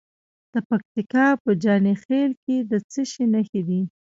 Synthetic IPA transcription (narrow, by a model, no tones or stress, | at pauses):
d̪̥əpak̚t̪ikɑpəd͡ʒɑnexelked̪ət͡səʃinəxed̪i